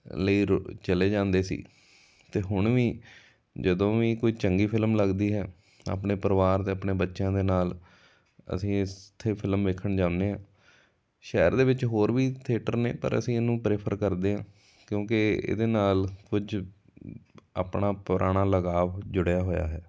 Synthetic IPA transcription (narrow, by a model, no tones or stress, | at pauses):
ləiːɾt͡ʃəleːd͡ʒãːnd̪eːsḭː | t̪eːɦʊɳʋiː | d͡ʒəd̪õːʋiːkoːiːt͡ʃəŋɡiːpʰɪlmləɡd̪iːɦɛː | a̰ːpɳeːpəɾʋaːɾt̪eːəpɳeːbətːʃjãːd̪eːnaːl | ə̰sĩːɪst̪ʰːeːpʰɪlmʋeːkʰəɳd͡ʒãːnd̪eːɦãː | ʃɛːɾd̪eːʋɪt͡ʃɦoːɾʋiːt̪ʰeːʈəɾnḛːpə̰ɾə̰sĩːɪnũːpɾɪːpʰəɾkəɾd̪eːɦãː | kjõːkɪḛːd̪eːnaːlkʊd͡ʒ | aːpɳaːpʊɾʔaːɽ̃aːləɡaːʋd͡ʒʊɽjaːɦoːja̰ːɦɛː